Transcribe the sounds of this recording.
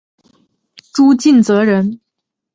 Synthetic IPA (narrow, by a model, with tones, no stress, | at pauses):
ʈ͡ʂu˥t͡ɕi˥˩nt͡sɤ˧˥ɻə˧˥n